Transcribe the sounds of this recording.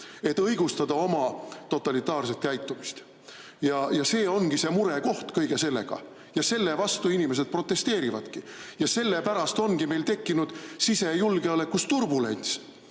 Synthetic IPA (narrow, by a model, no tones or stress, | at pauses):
e̞t̪ːˑɤjɡ̥ust̪ɑd̪̥ɑo̞mɑt̪o̞t̪ːˑɑlit̪ːˑɑːrs̬e̞t̪̚kæjt̪ːumist̪ | jɑjɑse̞ːo̞nɡ̥isemuɾe̞ko̞ht̪kɤjɡ̥e̞se̞lːe̞̰ɡ̥ɑ̰ | jɑse̞lːe̞vɑst̪uinime̞s̬e̞d̪̚pro̞t̪ːˑe̞st̪e̞ːɾivɑd̪̥kijɑse̞lːe̞pæɾɑst̪o̞nɡ̥ime̞jlt̪e̞kːinud̪̥sise̞julɡeɑle̞kːust̪urbule̞̰nʲt̪s